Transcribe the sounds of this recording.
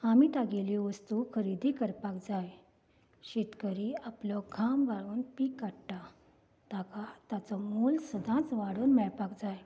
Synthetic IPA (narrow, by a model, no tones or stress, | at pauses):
amiːt̪aɡeliʋəst̪ukʰəɾid̪ʱikəɾpakd͡zaj | ɕet̪kəɾiaplɔɡʱamʋaɭuːnpiːkːaʈʈa | t̪akat̪at͡sɔmulsəd̪ʱãt͡sʋaɽuːnmɛɭpakd͡zaj